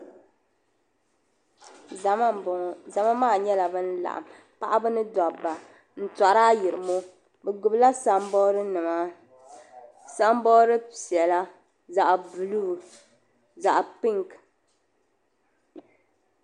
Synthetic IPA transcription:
m˦˨za˨ma˦maː˦˨ɲɛ˦la˨bɨ˦n̩˦la̰˨ʔa̰˨m | pa˦˨ʔa˦bɨ˦nɨ˦dɔ˨bːa˨ | n̩˨ta˨ɾaː˦ji˨ɾɨ˨mo˦ | bɛ˨ɡʊ˨bla˦sa˦m˦bɔ˦ɾɨ˦nɨ˨ma˦ | sa˦m˦bɔ˦ɾɨ˦si˨ɛ˨la˦ | za˨ʔbɨ˨luː˦˨ | za˨ʔpi˦ŋk

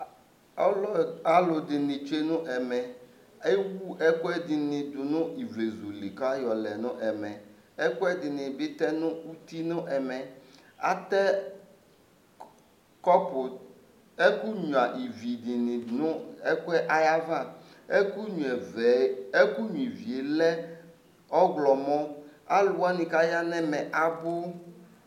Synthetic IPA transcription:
ɔ˦lɔ˦a˦lʊ˨dɪ˨nɪ̃˨t͡ʃe˦nʊ̃˦ʔɛ˨mɛ˨ | e˦wu˦ʔɛ˦kʊ˦ɛ˦dɪ˨nɪ̃˨d̪ʊ˨nʊ̃˦i˨ve˨zu˨li˨ka˦jɔ˨lɛ˨nʊ̃˦ʔɛ˨mɛ̃˨ | ɛ˦kʊ˦ɛ˦dɪ˨nɪ̃˨bɪ˦t̪ɛ˦nʊ̃˦u˦t̪i˦nʊ̃˦ʔɛ˨mɛ̃˨a̰˦t̪ɛ˦ | kɔ˦pʊ˨ | ɛ˦ku˦ɲũ˨a˨ʔi˨vi˨di˨nɪ̃˨nʊ̃˦ɛ˦kʊ˦ɛ˦ʔa˦ja˦vã˦ | e˦ku˦ɲu˨ɛ˨vɛ˨e˦ku˦ɲũ˨i˨vi˨e˨lɛ˦ | ɔ˦ɡlɔ˨mɔ̃˦a˦lʊ˨wa˦nĩ˨ka˦ja˦nɛ̃˦mɛ̃˨ʔa˨bʊ˦

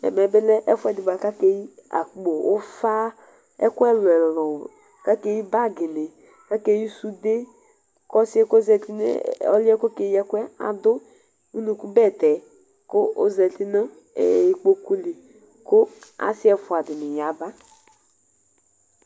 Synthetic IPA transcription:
ɛ̰˨mɛ˨bɪ˦lɛ˦ʔɛ˦fʊ˦ɛ˦˨dɪ˨ba˨ka˦ke˨˦ji˦a̰˨k͡po˨o˦fa˦ | ɛ̰˦kʊ˦ɛ˦lɛ˨lɔ˨ | ka˦ke˦i˦ba˦˨ɡɪ˨ne˨ | ka˦ke˦ji˦su˦de˦ | kɔ˦sɪ˦ɛ˦ko˦zɛ˨ti˦n˦ɔ̰˦lɪ˦ɛ˦ko˦ke˨ji˦ɛ˦kʷɛ˦a̰˨dʊ˦ | u˦nu˨ku˦bɛ˦˨tɛ˨ | kʊ˦zɛ˨ti˦na̰˦˨ | i˨k͡po˦ku˦li˨ | kʊ˦a̰˨sɪ˦ɛ˨fʊ˨a˨dɪ˨nɪ˨ja˨ba˦

